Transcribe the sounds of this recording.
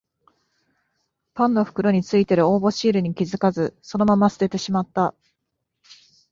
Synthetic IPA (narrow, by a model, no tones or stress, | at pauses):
pãnːo̞ɸɯ̟̥kɯ̟ɾo̞ɲ̟it͡sɨit̪e̞ɾɯ̟o̞ːbo̞ɕiːɾɯ̟ɲ̟ikʲizɨkazɨso̞no̞mamasɨ̥ɾe̞t̪e̞ɕimat̪ːa